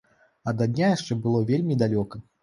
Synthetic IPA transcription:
ɐd̪ɐd̪ʲnʲajaʂt͡ʂɛbɨlˠɔvʲelʲmʲid̪alʲɔkɐ

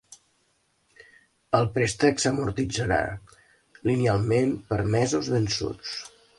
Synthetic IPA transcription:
əlˠpɾɛst̪əksəmuɾt̪id͡zəɾa̰ | linialˠmempəɾmɛzuzβənsṵt͡s

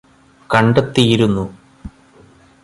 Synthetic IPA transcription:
kɐɳɖɐt̪ːijiɾunːu

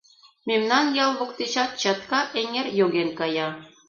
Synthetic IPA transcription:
mʲemnɑnjɑlˠβɤ̆kt̪it͡ɕɑt̪̚ɕɑt̪kɑʔeŋerjoɣenkɑjɑ

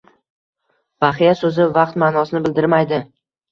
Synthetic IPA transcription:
vaχijasɵzɪvɑqt̪manɒsɪnɪbɪld̪ɪɾmajd̪ɪ

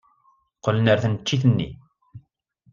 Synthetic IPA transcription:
qələnəɾθənt͡ʃːiθənːḭ

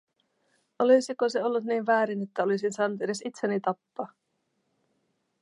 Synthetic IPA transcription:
ʔolisiko̞seo̞lːut̪niːnʋæːɾine̞t̪ːæo̞lisinsɑːnut̪e̞de̞sit̪senːit̪ɑpːɑː

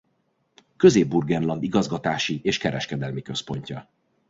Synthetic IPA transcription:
køzeːbːurɡɛnlɒnd̪iɡɒzɡɒt̪aːʃieːʃkɛɾɛʃkɛd̪ɛlmikø̞spo̞ɲcɒ

